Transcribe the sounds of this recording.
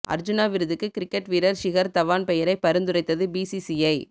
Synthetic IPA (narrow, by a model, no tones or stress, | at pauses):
ʔɐ̰ɾd͡ʒɯnaːʋɪɾɯðɯkːɯkɪɾɪkːɛʈʋiɾɐɾʃɪɣɐɾt̪ɐʋaːnpɛjɐɾɐɪpːɐɾɯnd̪ɯɾɐɪt̪ːɐðɯbiːsisiɐɪ